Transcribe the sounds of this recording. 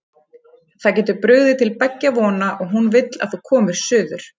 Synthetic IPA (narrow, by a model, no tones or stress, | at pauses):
θacɛːt̪ʏɾpɾʏɣðɪt̪ʰɪlpɛcːavɔːnaʔɔɣɦunvɪt̪la̰ðθukʰɔːmʏɾ̥sʏːðʏɾ̥